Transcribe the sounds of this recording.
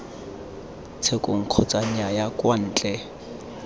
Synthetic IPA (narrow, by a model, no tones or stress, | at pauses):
t͡sʰekʼʊŋ̩q͡χʰɔt͡sʼaɲ̩ajakwan̩ːt͡ɬʼɛ